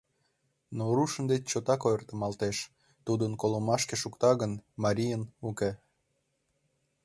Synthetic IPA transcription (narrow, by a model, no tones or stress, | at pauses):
noɾuʃə̆nd̪et͡ɕt͡ɕot̪ɑkojərt̪ə̆mɑlt̪eʃ | t̪ud̪ənkoləmɑʃkeʃukt̪ɑɣənmɑɾʲijənukʲe